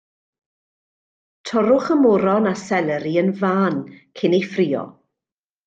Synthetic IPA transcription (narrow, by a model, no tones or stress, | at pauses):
tʰɔɾʊχəmʊɾɔnasɛlˠɛɾiənvaːnkʰɪnejfrɪːɔ̰